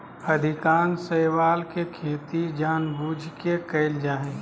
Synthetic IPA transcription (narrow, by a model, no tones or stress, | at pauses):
əd̪ʱɪkaːnsəɪwaːlkekʰeːt̪id͡ʒaːnbuːd͡ʒʱkekəɪld͡ʒaːɦẽ